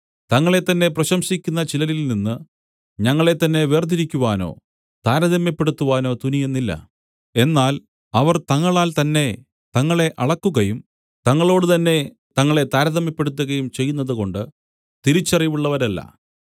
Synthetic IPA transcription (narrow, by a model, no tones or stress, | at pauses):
t̪ɐŋːɐɭe̞t̪ːɐnːe̞prɐɕɐmɕikʲːunːɐt͡ɕilɐlilninːɨ | ɲɐŋːɐɭe̞t̪ːɐnːe̞ʋe̞ːrd̪iɾikʲːuʋaːno̞̰ː | t̪aːɾɐðɐmːjɐpːe̞ɽut̪ːuʋaːno̞ːt̪unijenːilːɐ̰ | e̞nːaːl | ɐʋɐrt̪ɐŋːɐɭaːlt̪ɐnːe̞ | t̪ɐŋːɐɭe̞ʔɐɭɐkːuɣɐjum | t̪ɐŋːɐɭo̞ːɽɨt̪ɐnːe̞ | t̪ɐŋːɐɭe̞t̪aːɾɐðɐmjɐpːe̞ɽut̪̬ːuɣɐjumt͡ɕe̞jːunːɐðuko̞ɳɖɨ | t̪iɾit͡ɕːɐriʋuɭːɐʋɐɾɐlːɐ̰